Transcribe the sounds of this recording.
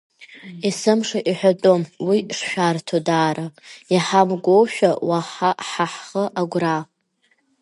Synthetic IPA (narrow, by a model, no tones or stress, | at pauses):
isɨmʂaʔiħʷᶣadʼomwiʂʃᶣartʰodaːɾajaħamɡʷowʃᶣawaħaħaħχəʔaɡʷra